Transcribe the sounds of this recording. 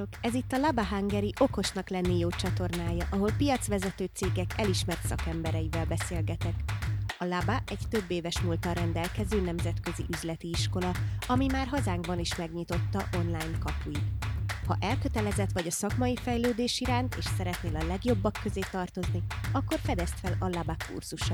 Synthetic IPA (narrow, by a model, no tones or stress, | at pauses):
okɛzit̪ːɒlɒbaɦaŋɡɛɾiʔo̞ko̞ʃnɒklɛnːijoːt͡ʃɒt̪o̞rnaːjɒʔɒɦo̞lpijɒt̪sʋɛzɛt̪øːt̪seːɡɛkʰɛliʃmɛrt̪sɒkɛmbɛɾɛjivɛlbɛseːlɡɛt̪ɛkɒlabaʔɛɟt̪ø̞bːeːvɛʃmult̪ɒɾɛnd̪ɛlkɛzøːnɛmzɛt̪kø̞ziʔyzlɛt̪iiʃko̞lɒɒmimaːrɦɒzaːŋɡbɒniʃmɛɡɲit̪o̞t̪ːɒʔo̞nlaːjnkɒpujit̪hɒ̰ʔɛlkøt̪ɛlɛzɛt̪ʋɒɟɒsɒkmɒjifɛjløːd̪eːʃiɾaːnt̪ḛːʃsɛɾɛt̪neːlɒlɛɡjo̞bːɒkːø̞zeːt̪ɒrt̪o̞zniɒkːo̞rfɛd̪ɛst̪fɛlɒlabakṵrz̥uʃɒ